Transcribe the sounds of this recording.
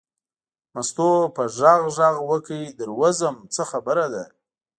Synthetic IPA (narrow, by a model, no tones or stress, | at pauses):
mast̪opəʒɑɣʒɑɣwəkəjid̪əɾwazəmt͡səxabəɾad̪a